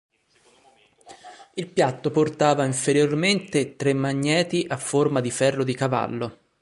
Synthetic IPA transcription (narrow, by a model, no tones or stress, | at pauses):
ilpjat̪ːoport̪aːvaiɱfeɾjorment̪et̪ɾemːaɲːɛːt̪iʔafːormad̪ifɛrːod̪ikava̰lːo